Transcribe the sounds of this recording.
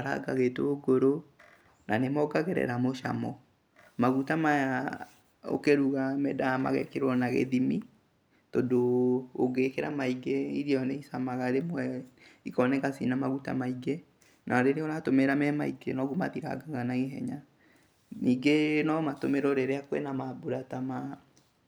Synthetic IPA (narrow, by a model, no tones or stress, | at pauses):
aɾa̰ɡaɣetooɡoɾo | nanemɔɡaɣɛɾɛ̰ɾamoʃa̰mɔ | maɣutamaja | o̰keɾuɣamɛdama̰ɣɛkeɾwɔnaɣḛðimi | todoːɡekeɾamaiɡeiɾiɔneisamaɣaɾemwɛikɔnɛɣasinamaɣuta̰maiɡe | nʔaɔɾeɾeoɾatomeɾamɛmaiɡḛnɔɣuma̰ðiɾa̰ɡaɣanaɣeɦɛ̰ɲa | niːɡenɔmatomeɾɔɾeɾeakwɛ̰namabuɾatama